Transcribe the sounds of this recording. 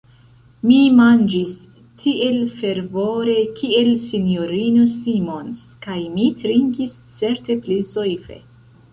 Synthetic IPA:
mimand͡ʒis | tʰiʔe̞lfe̞ɾvo̞ɾe̞kʰie̞lsinjo̞ɾinosimo̞ns | kajmitɾiŋɡis | t͡se̞ɾte̞plizojfe̞̰

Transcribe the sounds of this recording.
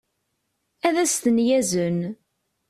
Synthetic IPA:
æðæst̪ənjæzən

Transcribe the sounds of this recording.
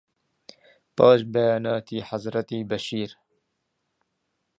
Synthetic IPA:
pɑːʃbɛjaːnɑːt̪ʰiːħazɾɐt̪iːbɐʃiːɾ

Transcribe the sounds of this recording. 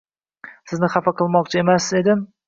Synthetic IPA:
sɪznɪχafaqɨlˠmɒq̚t͡ʃʰae̞maszed̪ɪm

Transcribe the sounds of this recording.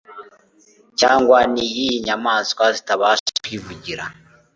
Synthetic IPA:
caːŋɡwanijijiɲamazkwazitaβaskwivuɟiɾa

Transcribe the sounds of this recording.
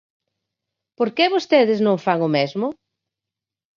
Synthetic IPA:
poɾkɛβost̪eðɪznõŋfaŋʊmezmʊ

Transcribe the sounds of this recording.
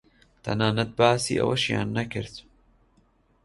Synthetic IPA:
t̪ʰɐ̰naːnɐt̪̚baːsḭːʔɐ̰wɐʃja̰ːnːɐkɨɾt̪

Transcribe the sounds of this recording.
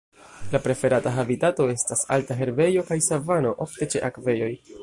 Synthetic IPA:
lapɾe̞fe̞ɾataɦabitato̞e̞stasa̰ltaɦe̞ɾbe̞jo̞kajsavano̞ʔofte̞t͡ʃe̞̰ʔakve̞jo̞j

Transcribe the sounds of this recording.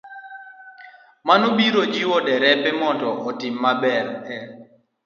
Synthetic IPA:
manubiɾod͡ʒiwɔdɛɾɛpɛmɔndɔʔɔtɪmːabɛɾɛ

